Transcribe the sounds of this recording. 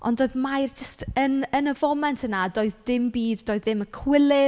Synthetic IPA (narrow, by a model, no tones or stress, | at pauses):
ɔ̰ndoːɨðmajrd͡ʒəstʰənənəvɔmɛntʰənadoːɨðdɪmbiːddoːɨðɪməkʰwɪlˠɪ